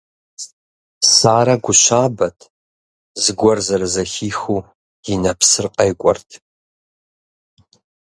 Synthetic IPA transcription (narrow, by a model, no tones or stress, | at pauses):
saːɾɐɡʷʊɕaːbɐtʰ | zɨɡʷɔrzɐɾɐzɐxiːxuː | jɪnɐpsɨrqʼɐjkʷʼɔ̰rtʰ